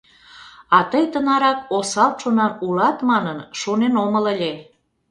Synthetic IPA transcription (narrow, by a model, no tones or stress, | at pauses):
ɑt̪əjt̪ənɑɾɑk̚osɑlt̪ʃonɑnulɑt̪mɑnənʃonenomələ̆lʲe